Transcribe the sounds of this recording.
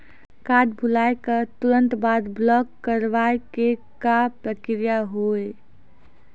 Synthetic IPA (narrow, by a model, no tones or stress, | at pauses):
kaɖbʱulajkət̪uɾə̃nt̪bad̪blɔkːəɾʋaekekapɾəkɾijaɦoe